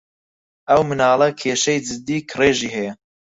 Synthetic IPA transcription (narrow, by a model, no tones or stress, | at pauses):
ʔɐwmɨnaːlˠɐkʰeːʃɐjd͡ʒɨd̪ːiːkʰreːʒiːɦɛjɐ